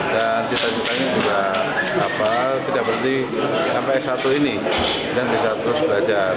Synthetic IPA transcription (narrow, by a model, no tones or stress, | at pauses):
dant͡ʃit̪at͡ʃit̪aɲad͡ʒuɡaː | pat̪idaʔbəɾənt̪i | sampajsat̪uini | danbisat̪usubaad͡ʒa